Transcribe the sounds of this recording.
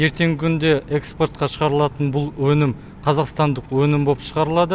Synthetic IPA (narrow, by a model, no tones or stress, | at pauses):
je̞ɾt̪e̞ŋɡʲɪkʲʰʏnd̪e̞ʔekspo̞rt̪̚qɑʃəʁɑɾəlˠɑt̪ənbʊlˠwɵnɪm | qʰɑzɑqst̪ɑnd̪əqwɵnɪmbo̞pʃəʁɑɾəlˠɑd̪ə